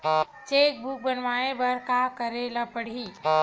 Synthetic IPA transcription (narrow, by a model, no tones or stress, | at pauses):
t͡ʃek̚bʱuk̚bənʋaebəɾkakəɾeləpəɽ̤i